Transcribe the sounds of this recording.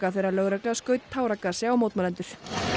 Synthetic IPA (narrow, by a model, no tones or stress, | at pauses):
kaθejɾalœːɣɾɛklɛɣaskœːɥt̪̚t̪ʰːaːwɾakːasɛawmoːwt̪malɛnt̪ʏɾ̥